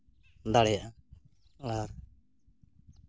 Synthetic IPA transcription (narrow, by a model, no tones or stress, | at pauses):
d̪aɽɛjaʔ | laɾ